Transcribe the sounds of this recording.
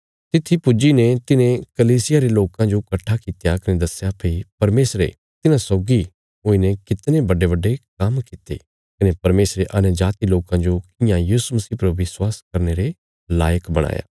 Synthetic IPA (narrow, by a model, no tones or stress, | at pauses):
t̪ɪt̪ʰːipʊd͡ʒinet̪ɪnẽkɐliːsɪjaɾeloːkãd͡ʒokɐʈʰːakit̪jakɐnẽd̪ɐsjapʰeipɐɾmeːsɾḛ | t̪ɪnãsɔːɡi | ɦoːinekɪt̪nẽbɐɖebɐɖːek̚ɐmkɪt̪ḛ | kɐnẽpɐɾmeːsɾeʔɐnd͡ʒaːt̪iloːkãd͡ʒokɪjãjiːsumɐsiːpɐɾʋɪswaːskɐɾneɾe | laːjəkbɐɽ̃a̰ːja̰ː